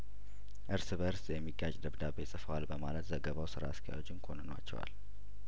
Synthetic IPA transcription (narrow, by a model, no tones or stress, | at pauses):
ʔɨɾsɨbəɾsjɛmːiɡat͡ʃʼd̪əβd̪abesʼɨfəwalbəmalət̪zəɡəβawsɨɾa̰ːst̪ʰaja̰wot͡ʃːɪnkʰonɨnwa̰t͡ʃːɛ̰wa̰l